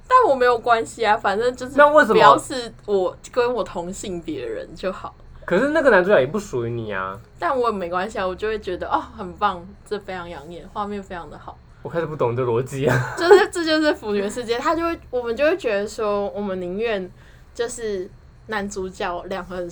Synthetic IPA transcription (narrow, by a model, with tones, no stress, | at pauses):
t̪a˥˩nwɔ˨˩me˧˥ɪjo˨˩ʊkwa˦˥nɕi˨˧a˨fa˨˩nʈ͡ʂɤ˥˧ŋt͡ɕjʊʂ̬̩˥a˥˧we˥˩ɪʂə˧m˩jɑ˥˧ʊʂɻ̩˥˩wɔ˨˩kə˦nwɔ˨˩t̪ʰo˧˥ŋɕi˥˩ŋpjɛ˧˦də̰˧ɻə̰˧˦nt͡ɕjo˥˩ʊxɑ˨˩˦ʊkʰɤ˨˩ʂɻ̩˥˧na˥˩ɡə˨na˧˦nt͡su˧˥jɑ˥˩˨jɛ˨˩pu˥˩ʂu˨y˧˥ni˨˩a̰˩t̪a˥˩nwɔ˧˦jme˧˥ɪkwa˥˦nɕi˨a˨˩wɔ˨˩t͡ɕjo˥˧ʊxwe˥˩t͡ɕɥɛ˧˥d̪ə˧ʔɔ˥˩xə˨˩npɑ˥˧ŋʈ͡ʂə˥˩fe˥jʰɑ˧˥ŋjɑ˧˥ŋjɛ˨˩nxwa˥˧mjɛ˥˩nfe˥ɪjʰɑ˧˥ŋd̪ə˨xɑ˨˩˦ʊ | wkʰa˥ɪʂɻ̩˨˩pu˥t̪ʰʊ˨˩ŋd̪ə˧lwɔ˧˥t͡ɕi˥˨˩t͡ɕjo˥˧ʊʂɻ̩˥˧ʈ͡ʂɤ˥˧t͡ɕjo˥˧ʊʂ̬ɻ̩˥˩fu˧˥ny˨˩d̪ə˧ʂɻ̩˥˧t͡ɕjɛ˥˦t̪ʰa˥t͡ɕjo˥˧ʊwe˥˩wɔ˨˩mə˨˦nt͡ɕjo˥˧ʊwe˥˩t͡ɕɥɛ˧˥d̪ə˧˨swɔ˥wɔ˨˩mə˦ni˧˥nɥɛ˥˨n | t͡ɕjo˥˧ʊʂɻ̩˥˩ | na˧˦nt͡su˧˥t͡ɕjɑ˥˩ʊljɑ˨˩ŋɡə˧˩